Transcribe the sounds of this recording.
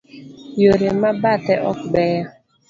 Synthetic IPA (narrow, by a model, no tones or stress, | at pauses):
joɾemabatɛʔɔkbɛja